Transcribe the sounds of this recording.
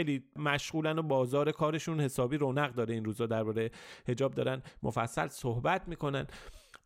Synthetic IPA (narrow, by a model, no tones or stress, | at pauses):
ejliːmæʃɣuːlænobɒːzɒːɾe̞kʰɒːɾe̞ʃunhe̞sɒːbiːɾonæɣd̪ɒːɾe̞iːnɾuːzɒːd̪æɾbɒːɾejehe̞d͡ʒɒːb̚d̪ɒ̰ːɾænmʔofæsːæ̰lsohbæt̪ʰmiːkʰo̞næn